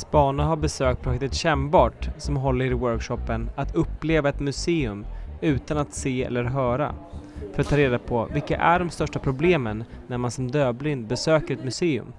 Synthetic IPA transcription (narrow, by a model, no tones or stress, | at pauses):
sbɑːnaɦaɾbɛsøːk̚t̪̚pʰɾʊɧɛk̚t̪ət̪ɕɛmbɑːʈsɔmɦɔlːəɾɪwœɾkʂɔpːənat̪ʰɵpːleːvaɛt̪mɵseːɵmʉ̟ːt̪anat̪seːɛ̰lːəɾɦœːɾa̰fœɾt̪ʰːɑːɾeːd̪apʰɔvɪlkːa̰ʔæɖɔmst̪œʂʈapʰɾʊbleːmənːæɾmansɔmd̪øːblɪnd̪̚bɛsøːkəɾɛt̪mɵseːɵ̰m